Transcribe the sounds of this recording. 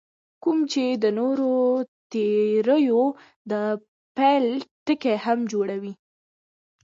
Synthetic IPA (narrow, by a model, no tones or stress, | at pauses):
kumt͡ʃed̪ənoɾot̪eɾəjo | d̪ə | pɛlʈəkehamd͡ʒoɽawi